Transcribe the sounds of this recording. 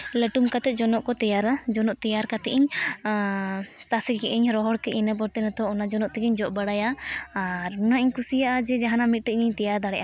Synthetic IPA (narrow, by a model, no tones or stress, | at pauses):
ləʈumkat̪ɛt̪̚d͡ʒɔnɔʔkɔt̪ɛjaɾad͡ʒɔnɔʔt̪ɛjaɾkat̪ɛiɲ | t̪asɛkɛʔiɲɾɔɦɔɽkɛʔinap̬ɔɾt̪ɛnat̪ɔːnad͡ʒɔnɔʔt̪ɛɡɛɲd͡ʒɔʔbəɽajaː | ɾunaʔiɲkusijaʔad͡ʒɛd͡ʒaɦanamit̪̚ˀʈəɲiɲt̪ɛjaɾd̪aɽɛʔa